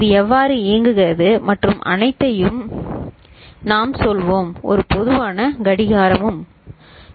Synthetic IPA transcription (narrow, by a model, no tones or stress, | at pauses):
ɪðɯɛʋːaːɾɯeːŋɡɯɣɪrɐðɯmɐʈrɯmʔɐ̰nɐɪt̪ːɐjɯm | naːmsɔlʋoːmɔ̰ɾɯpɔðɯʋaːnɐɡɐɽɪɣaːɾɐmɯm